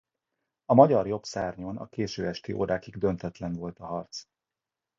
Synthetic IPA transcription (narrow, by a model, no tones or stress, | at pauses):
ɒmɒɟɒrjo̞psaːrɲoːnɒ̰keːʃøːɛʃt̪iʔo̰ːɾaːkiɡd̪ø̞nt̪ɛt̪lɛnvo̞lt̪ɒɦɒrt̪s